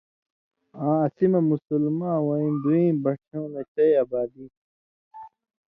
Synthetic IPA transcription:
ãːɐsimɐmusulmãːwɐĩnd̪uĩːmbɐʈʰõːnet͡ɕɐjɐbaːd̪i

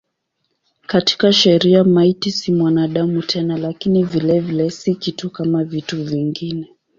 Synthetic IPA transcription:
kati̥kaʃɛɾiamaitisimwanaɗamutʰɛnalakinivilɛvilɛsikitukamavituviŋɡinɛ

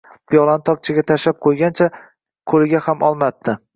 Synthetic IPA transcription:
pʰijɒlˠant̪ʰɒk̚t͡ʃʰɪɡʲat̪ʰaʃap̚qʰojɡʲant͡ʃʰa | kʰɵlɪɡʲahamʔɒlˠmap̚t̪ʰɪ

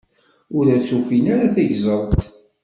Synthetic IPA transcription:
ʊɾæt͡sːufinaɾaθæʝzˤəɾˤt̪

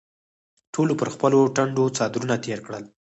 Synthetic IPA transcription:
ʈʰolopəɾxpəloʈaɳɖot͡sɑd̪ɾunat̪ʰeɾkɽəl

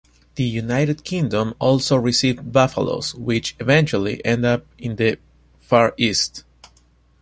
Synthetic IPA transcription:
ð̥əjunajɾɨd̪̚kʰĩŋd̪õmɔlˠsoɹisivbafa̰lo̰swɪt͡ʃɨvɛ̃nt͡ʃalḭʔɛ̃nd̪ʌp̚ĩnðə | faɹist̪

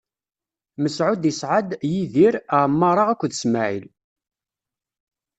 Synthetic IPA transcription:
məsʕʊd̪jəsʕad̪jiðiɾəʕmːɑɾˤɑʁækʷːðəsmaʕḭl

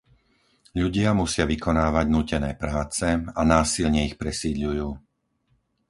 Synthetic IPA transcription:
ʎuɟɪamusɪaʋikɔnaːʋaɟnuːcɛnɛːpɾaːt͡sɛanaːsilɲɛixpɾɛsiːd̪ʎujuː

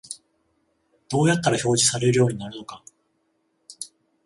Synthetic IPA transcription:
d̪̥o̞ːjat̪ːaɾaço̞ːʑisaɾe̞ɾɯ̟jo̞ːɲ̟inaɾɯ̟noka

